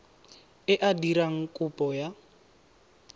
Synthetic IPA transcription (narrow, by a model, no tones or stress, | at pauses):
ɪʔadiɾaŋ̩kʼʊpʼɔja